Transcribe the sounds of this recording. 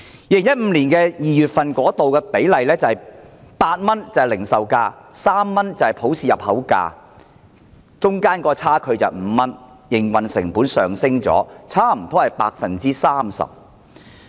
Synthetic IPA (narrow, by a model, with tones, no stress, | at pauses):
jiː˧lɪ˨˩ŋjɐ˥t̚m̩˨˧liː˨˩nkɛː˧jiː˨jyː˨t̚fɐ˨nkɔː˨˥t̪o˨wkɛː˧pe˨˥jlɐ˨jlɛː˥t͡sɐ˨whɐ˨jpaː˧t̚mɐ˥nt͡sɐ˨lɪ˨˩ŋsɐ˨wkaː˧saː˥mːɐ˥nt͡sɐ˨whɐ˨˩jpʰo˨˥wsiː˨jɐ˨p̚hɐ˨˥wka̰ː˧ | t͡sʊ˥ŋkaː˥nkɔː˧t͡sʰaː˥kʰɵ˨˧ɥt͡sɐ̰˨wm̩˨˧mɐ˥n | jɪ˨˩ŋwɐ˨nsɪ̰˨˩ŋpuː˨˥nsœː˨˩ŋsɪ˥ŋt͡sɔ̰ː˨˥t͡sʰaː˥m̩˨˩t̪ʰɔː˨˥hɐ˨jpaː˧k̚fɐ˨nt͡siː˥saː˥msɐ̰˨p̚